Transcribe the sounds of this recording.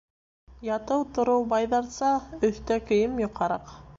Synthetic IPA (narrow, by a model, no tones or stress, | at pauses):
jɑt̪ɤwt̪ŏɾɤwbɑjðɑɾsɑɵ̆θt̪ækɵ̆jɘmjŏqɑɾɑq